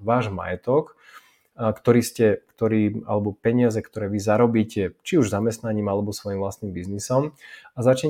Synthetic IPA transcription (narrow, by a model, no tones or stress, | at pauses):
ʋaːʒma̰jɛt̪ɔk | kt̪ɔɾiːscɛkt̪ɔɾiːa̰lɛbɔpɛɲɪazɛkt̪ɔɾɛːʋizaɾɔbiːcɛt͡ʃiuʒzamɛst̪naɲiːmalɛbɔsʋɔjimvlast̪niːmbiznisɔmazat͡ʃɛ